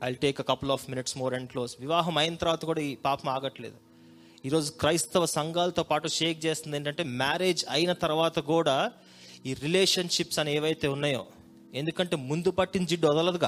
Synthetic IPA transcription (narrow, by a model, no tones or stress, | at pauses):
ɐjlʈeːkɐkɐpɐlɔːfminiʈsmoːɾɛɳɖkloːsʋiʋaːɦɐmɐjɐnt̪ɐɾʋaːt̪ɐkuːɽaːiːpaːpɐmaːɡɐʈːɐlḛːd̪u | iːɾo̞ːd͡ʒukɾɐjst̪ɐʋɐsɐŋɡaːlɐt̪o̞ːpaːʈuʂeːk̚t͡ʃeːst̪ind̪eːɳʈ̬ɐɳʈe̞ːmaːɾeːd͡ʒɐjinɐt̪ɐɾuʋaːt̪ɐkuːɽaː | iːɾileːʂɐnʂipsɐnɐeːʋɐjt̪e̞ːunːaːjo̰ː | e̞nd̪ukɐɳʈe̞ːmund̪upɐʈːind͡ʒiɖːɔd̪ɐlɐd̪uɡa̰ː